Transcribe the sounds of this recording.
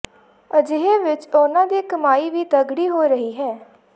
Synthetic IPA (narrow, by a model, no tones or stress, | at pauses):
əd͡ʒɪɦeːʋɪt͡ʃonãːd̪iːkəmaːiːʋiːt̪əɡɽiːɦoːɾəɦiːɦɛː